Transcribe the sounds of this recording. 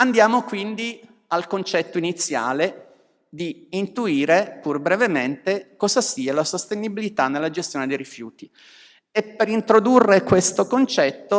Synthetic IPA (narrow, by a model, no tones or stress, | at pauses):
and̪jaːmokwind̪i | alkont͡ʃɛt̪ːoinit̪sːja̰ːle | d̪iːnt̪uiːɾepurbɾevement̪ekɔːzasiːalasost̪enibilit̪anːelːad͡ʒest̪joːned̪ejɾifjuːt̪i | epːeɾint̪ɾod̪urːekwest̪okont͡ʃɛt̪ːo